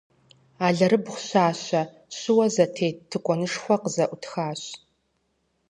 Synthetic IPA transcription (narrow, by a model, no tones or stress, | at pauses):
aːɮɐɾɨbχʷɕaːɕɐ | ɕɪwɐzɐtʰeːtʰːɨkʷʼɔnɨʂxʷɔqəzɐʔʷʊtxaːɕ